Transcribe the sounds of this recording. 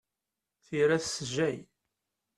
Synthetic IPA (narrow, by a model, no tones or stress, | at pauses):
θiɾæssʒæj